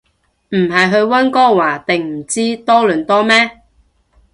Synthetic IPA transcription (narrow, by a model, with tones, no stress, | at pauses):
m̩˨˩ɦɐ˨˩jɦɵ˧ɥwɐ˥nkɔː˥waː˨˩t̪ɪ˨ŋm̩˨˩t͡siː˥t̪ɔː˥lɵː˨˩nt̪ɔː˥mɛː˥